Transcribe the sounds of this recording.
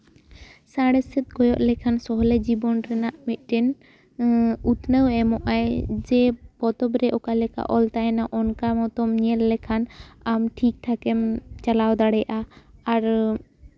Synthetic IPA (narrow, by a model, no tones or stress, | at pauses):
saɽɛsɛt̪̚ɡɔjɔʔlɛkʰansɔɦɔlɛd͡ʒibɔnɾɛnaʔmɛt̪̚ˀʈɛn | ut̪nəwɛmɔʔajd͡ʒɛpɔt̪ɔbɾɛʔɔkalɛka̰ʔɔlt̪aɛnaʔɔnkamɔt̪ɔmɲɛlːɛkʰanamʈʰik̚ʈ̪ʰakɛmt͡ʃalawd̪aɽɛjʔaaɾ